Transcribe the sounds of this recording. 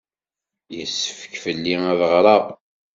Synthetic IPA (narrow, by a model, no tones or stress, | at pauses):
jəsːə̥fə̥kfəlːiæðʁɾˤɑʁ